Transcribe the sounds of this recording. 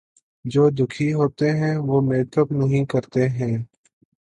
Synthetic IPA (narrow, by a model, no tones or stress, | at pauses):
d͡ʒoːd̪ʱʊkʰiɦoːt̪eɦɛ̃ːʋoːmeːt̪ʰəbnəɦĩkəɾt̪eɦɛ̃ː